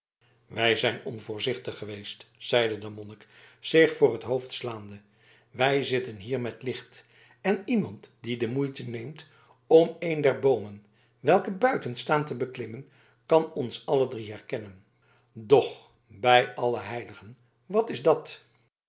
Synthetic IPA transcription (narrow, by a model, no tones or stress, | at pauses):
ʋɛjzɛjnɔ̰nvʊːɹzɪχtəχːəʋejstsɛjdədəmɔnɪksɪχfʊːrɦətɦowftslaːndə | ʋɛjzɪtənɦiːɹmɛtlɪχt | ɛnimɑntdidəmujtənejmt | ɔmejndɛɹbowmən | ʋɛlˠkəbœɥtənstaːntəbəklɪmən | kɑnɔnsɑlədriɦɛɹkɛnən | dɔχ | bɛjɑləɦɛjləχən | ʋɑtɪzdɑt